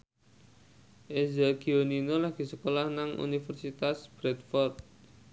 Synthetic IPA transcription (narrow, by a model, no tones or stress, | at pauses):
ʔezɛɡioninolahɡ̥i̤səkolahnaŋṵnifərsit̪asb̥ɾɛt̪̚fɔrt̪̚